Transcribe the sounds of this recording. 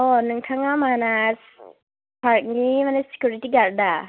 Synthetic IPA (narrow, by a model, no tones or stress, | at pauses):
ɔnɯŋtʰaŋamanas | pʰaɾt̚nimanasi̥kjuɾitiɡaɾ̚da